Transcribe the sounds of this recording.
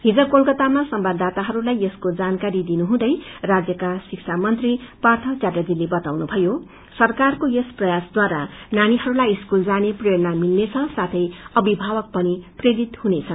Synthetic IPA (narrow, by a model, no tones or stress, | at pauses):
ɦid͡zʌkolkʌt̪amasʌmbad̪at̪aɦʌɾulajeskod͡zankaɾid̪inuɦũd̪ʌjrad͡zjʌkasiksʰamʌnt̪ripart̪ʰʌt͡saɾjad͡zilebʌt̪awnubʱʌjo | sʌrkarkojesprʌjasd̪waɾa̰naniɦʌɾulajiskuld͡zanepreɾʌnamilnet͡sʰʌ̃sat̪ʰʌjʌbibʱabʌk̚pʌnipreɾit̪hunet͡sʰʌn